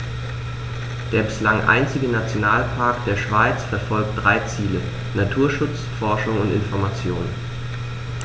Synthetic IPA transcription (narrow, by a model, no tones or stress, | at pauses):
d̥eːɐbɪslaŋʔa̰ɪnt͡sɪɡənat͡sjonaːlpʰaɐkd̥eːɐʃv̥aɪt͡sfɛɐfɔlk̚t̚d̥ʁaɪt͡siːlə | natʰuːɐʃʊt͡sfɔɐʃʊŋʊntɪnfɔɐmat͡sjoːnən